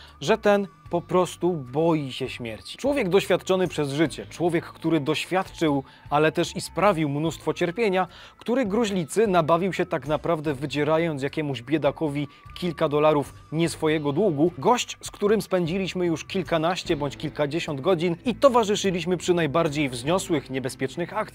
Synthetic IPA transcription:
ʐɛt̪ɛnpɔpɾɔst̪ubɔjiɕɛɕmʲjɛɾt͡ɕi̥t͡ʂwɔvʲjɛɡd̪ɔɕfʲjat̪̚t͡ʂɔnɘpʂɛzʐɘt͡ɕɛt͡ʂwɔvʲjɛkːt̪uɾɘd̪ɔɕfʲjat̪t͡ʂɘw | alɛt̪ɛʂispɾavʲiwmnust̪fɔt͡ɕɛɾpʲjeɲa | kt̪uɾɘɡɾuʑlʲit̪sɘnabavʲiwɕɛt̪aɡnapɾavd̪ɛvɘd͡ʑɛɾajɔnt̪s̬jakʲɛmuʑbʲjɛd̪akɔvʲikʲilkad̪ɔlaɾufɲɛsfɔjɛɡɔd̪wuɡuɡɔɕt͡ɕskt̪uɾɘmspɛnd͡ʑilʲiɕmɘjuʂkʲilkanaɕt͡ɕɛbɔɲt͡ɕkʲilkad͡ʑeɕɔnd̪ɡɔd͡ʑinit̪ɔvaʐɘʂɘlʲiɕmɘpʂɘnajbaɾd͡ʑejvzɲɔswɘxɲɛbɛspʲjɛt͡ʂnɘxakt̪

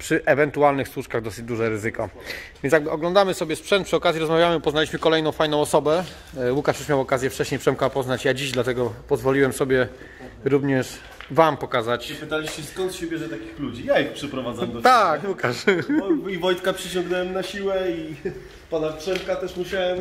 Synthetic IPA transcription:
pʂɘʔɛvɛnt̪ualnɘxswuʂkaɣd̪ɔsɘd͡ʑd̪uʐɛɾɘzɘkɔvʲjɛnʲjaɡbɘɔɡlɔnd̪amɘsɔbʲjɛspʂɛnt̪pʂɨɔkazʲiɾɔzmavʲjamɘpɔznalʲiɕmɘkɔlɛjnɔ̃w̃fajn̪ɔ̃w̃ɔsɔbɛ | wukaʂjɛʂmjawɔkazʲjɛft͡ʂɛɕɲejpʂɛmkapɔznat͡ɕjad͡ʑiʑd̪lat̪ɛɡɔpɔzvɔlʲiwɛmsɔbʲjɛ | ɾuvɲɛʂ | vampɔkazat͡ɕpɘt̪alʲiɕt͡ɕɛskɔnt̪ɕɛbʲjɛʐɛt̪akʲixlud͡ʑijaixpʂɛpɾɔvad̪zamd̪ɔt̪akwukaʂ | ivɔjt̪kapʂɘt͡ɕɔ̃ŋɡnɛwɛmnaɕiwɛi | panapʂɛmkat̪ɛʂmuɕawɛm

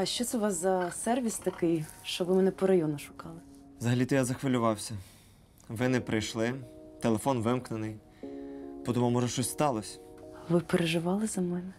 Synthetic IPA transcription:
ɐʃt͡ʃɔt̪sɛʊʋɑszɐsɛrʋʲist̪ɐkɪjʃt͡ʃɔʋɪmɛnɛpɔɾɐjɔnʊʃʊ̥kɑlˠɪ | zɐɦɐlʲit̪ɛjazɐxʋɪlʲʊʋɑwsʲɐ | ʋɪnɛpɾɪjʃlˠɪt̪elˠefɔnʋɪmknenɪj | pɔt̪ɔmumɔʒɛʃt͡ʃɔsʲst̪ɑlˠɔsʲʋɪpeɾeʒɪʋɑlˠɪzɐmɛnɛ

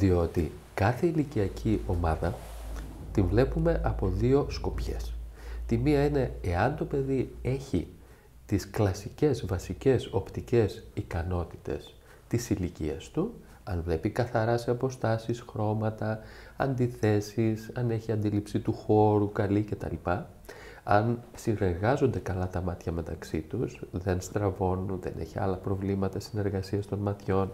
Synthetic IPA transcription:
ðio̞t̪i | kɐθeiliciɐcʰio̞mɐðɐ | t̪invle̞pume̞ʔɐpo̞ðio̞sko̞pçe̞̰st̪imiɐine̞eɐnt̪o̞pe̞ðie̞çḭ | t̪isklɐsice̞zvɐsice̞so̞pt̪ice̞sikɐno̞t̪i̥t̪e̞̰s | t̪isilicḭɐ̰st̪u | ɐnvle̞pikɐθɐɾɐse̞ɐpo̞st̪ɐsisxɾo̞mɐt̪ɐɐ̰nd̪iθe̞sisɐne̞çiɐnd̪ilipsit̪uxo̞ɾukɐlice̞t̪ɐ̰lipɐ | ɐn | sine̞ɾɣɐzo̞nd̪e̞kɐlɐt̪ɐmɐt̪çɐme̞t̪ɐksit̪usðe̞nst̪ɾɐvo̞nunðe̞̰nʔḛçiɐ̰lɐpɾo̞vlimɐt̪ɐsine̞ɾɣɐsiɐst̪o̞nmɐt̪ço̞n

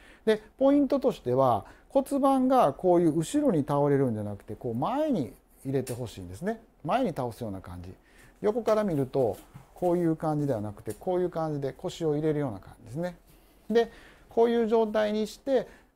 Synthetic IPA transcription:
d̪e̞po̞ĩnt̪o̞t̪o̞ɕi̥t̪e̞βako̞t͡sɨbãŋɡako̞ːjɯ̟ːɯ̟ɕiɾo̞ɲ̟it̪ao̞ɾe̞ɾɯ̟̃nd͡ʑanakɯ̟̥t̪e̞ko̞ːmae̞ɲ̟i | iɾe̞t̪e̞ɦo̞ɕḭːnd̪e̞sɨne̞ | mae̞ɲ̟it̪ao̞sɨjo̞ːnakã̰ɲ̟d͡ʑḭ | jo̞ko̞kaɾamʲiɾɯ̟t̪o̞kʰo̞ːjɯ̟ːkãɲ̟d͡ʑid̪e̞βanakɯ̟̥t̪e̞ko̞ːjɯ̟ːkãɲ̟d͡ʑid̪e̞ko̞ɕio̞iɾe̞ɾɯ̟jo̞ːnakã̰ɲd͡ʑid̪e̞s̬ɨne̞ | d̪e̞ko̞ːjɯ̟ːʑo̞ːt̪aiɲ̟iɕi̥t̪e̞

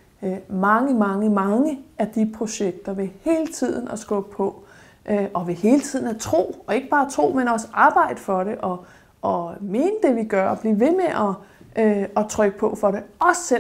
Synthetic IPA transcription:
mɑ̈ŋəmɑ̈ŋəmɑ̈ŋəæd̥ipʰʁo̝ɕeɡ̥̚d̥ɐʋe̝he̝ːlət͡sʰið̞̰ˠn̩ɒsɡ̥ɔb̥̚pʰɒ̽ | ʔʔɒ̽ʋe̝he̝ːlət͡sʰið̞̰ˠn̩æt͡sʰʁo̝̰ːɒe̝ɡ̥əb̥ɑ̈ːt͡sʰʁo̝̰ːmenɒ̽sɑ̈ːb̥ɑ̈ɪ̰d̥əfɒ̽ɾe̝ʔɒ̽ː | me̝ːnəd̥e̝ʋiɡ̥ɶɐɒb̥liːʋe̝meʔɒ | ɒ̽t͡sʰʁœɡ̥əpʰɒ̽fɒ̽ɾe̝ɒ̽sːe

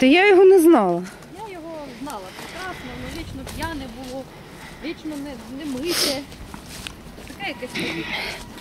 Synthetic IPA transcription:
t̪ɐjajɔɦɔnɛznɑlˠɐ | jajɔɦɔznɑlˠɐpɾekɾɑsnɔnɔʋʲit͡ʃnɔpʲjanɛbʊlˠɔ | ʋʲit͡ʃnɔnɛnɛmɪt̪ɛ | t̪ɐkɛjɐkɛsʲmɐʋʲi

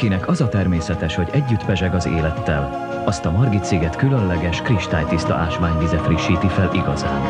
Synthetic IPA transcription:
kinɛkɒzɒt̪ɛrmeːsɛt̪ɛʃho̞ɟɛɟːyt̪pɛʒɛɡɒzḛːlɛt̪ːɛl | ɒst̪ɒmɒrɡit̪seːɡɛt̪kylønlɛɡɛʃkriʃt̪aːjt̪ist̪ɒ̰ʔaːʃʋaːɲvizɛt̪riʃːiːt̪ifɛlʔiɡɒ̰za̰ːn

